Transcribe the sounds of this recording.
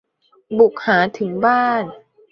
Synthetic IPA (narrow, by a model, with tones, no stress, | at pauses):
bu˨˩k̚haː˩˦t̪ʰɯ˩˦ŋbaː˥˩n